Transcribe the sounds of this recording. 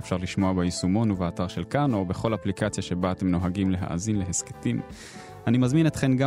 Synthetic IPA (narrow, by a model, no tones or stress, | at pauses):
efʃaʁliʃmo̞abejisumo̞nuveataʁʃe̞lkano̞be̞χo̞laplikat͡sjaʃe̞baːte̞mno̞ɦaɡimle̞ɦa̰ʔa̰zinleɦeske̥tim | animazminet̪χe̞mɡa